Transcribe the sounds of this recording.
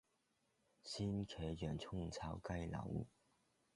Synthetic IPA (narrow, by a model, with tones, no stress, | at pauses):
ɕi˥nkʰe˧˥jɥɛ˨˩nt͡sʰʊ˥˧ŋt͡sʰa˧˥ʊka˥˧ɪla̰˨˩˦ŋṵ˥˩